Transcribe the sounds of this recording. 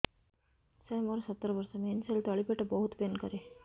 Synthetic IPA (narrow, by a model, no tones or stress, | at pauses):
sɐːmɐɾɐsɐt̪ːɐɾɐʋɐɾsɐmenselt̪ɐɭipeʈːɐbɐɦut̪penkɐɾe